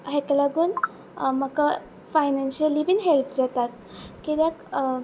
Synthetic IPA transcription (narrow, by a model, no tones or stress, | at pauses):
ɦeklaɡuːn | maka | fajnanɕəlibinɦelpd͡zat̪at̪̚ | kid̪ak